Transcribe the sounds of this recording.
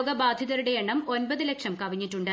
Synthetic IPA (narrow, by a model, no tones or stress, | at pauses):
ɡɐbaːd̪ʱjɐðɐɾuɽe̞eɳːɐmo̞nbɐðɨle̞kʂɐmkɐʋiɲːitːuɳɖɨ